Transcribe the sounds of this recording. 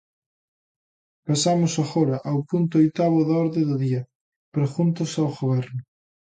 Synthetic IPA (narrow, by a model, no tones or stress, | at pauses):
pasamʊsaɣɔɾɐʔawpunt̪ʊojt̪aβʊðaɔɾðeðʊðiɐ | pɾexunt̪ʊsawɣoβɛɾnʊ